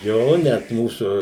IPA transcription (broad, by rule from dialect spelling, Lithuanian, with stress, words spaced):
ˈjoː nʲɛt ˈmuːsʊ